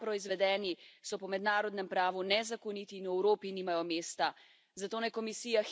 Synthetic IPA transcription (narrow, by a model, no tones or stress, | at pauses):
pɾɔizʋɛd̪ɛːnisɔpɔmɛd̪naːɾɔd̪nɛmpɾaːʋunɛzakɔnit̪iːnwɛwɾoːpiniːmajɔmeːst̪a | zat̪oːnajkɔmisiːjax